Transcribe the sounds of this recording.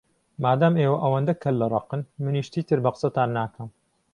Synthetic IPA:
maːd̪aːmeːwɐʔɐwɐnd̪ɐkʰɐlːɐɾˤɑ̰qɨnmɨniʃt̪iːt̪ʰɨɾbɐqɨ̥sɐt̪aːnːaːkʰɐm

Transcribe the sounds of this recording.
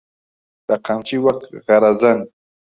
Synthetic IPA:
d̪̥əqant͡ʃiwaq̚ɣaɾazan

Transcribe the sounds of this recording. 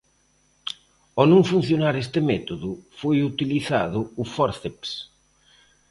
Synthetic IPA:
ɔnõŋfun̟θjonaɾest̪ɪmɛt̪oðʊfojut̪iliθa̰ðʊʊfɔɾθeps

